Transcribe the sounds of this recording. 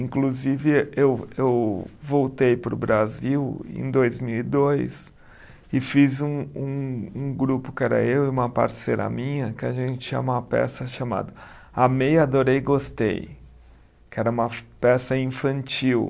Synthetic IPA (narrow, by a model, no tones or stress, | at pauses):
ĩŋkluzivɪewewvowt̪ejpɾʊ̰bɾaziwḛ̃j̃d̪ojzmiwid̪ojs | ɪfizũũũɡɾupʊkɪɛɾɐ̰ewɪũmɐpa̰ɾseɾɐ̰mĩɲɐkɪaʒẽt͡ʃɪt͡ʃĩɲɐũmɐpɛ̰sɐʃama̰d̪ɐ | amejad̪oɾejɪɡost̪ḛj | kɪɛɾɐũmɐpɛsɐĩfɐ̃nt͡ʃiw